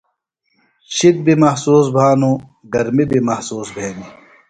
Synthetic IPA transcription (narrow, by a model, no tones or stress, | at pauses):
ɕid̪̚bimɐhsuːs̬bʱaːnu | ɡɐɾmibimɐhsuːsbʱeːni